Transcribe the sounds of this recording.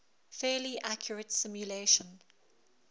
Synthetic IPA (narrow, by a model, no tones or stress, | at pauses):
fɛːliʔakʰjəɹətsɪ̃mjuleɪʃə̃n